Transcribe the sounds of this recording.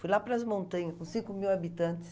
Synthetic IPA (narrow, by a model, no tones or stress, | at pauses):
fujlapɾɐzmõnt̪ɐ̃ɲɐkõsĩŋkʊmiwabit̪ɐ̃nt̪ɪ̥s